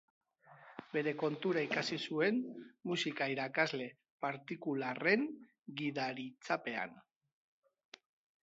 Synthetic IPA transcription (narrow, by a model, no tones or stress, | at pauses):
be̞ɾe̞ko̞nt̪uɾaikasisue̞nmusikaiɾakazle̞ | paɾt̪ikulare̞ŋ | ɡiðaɾit͡sape̞a̰n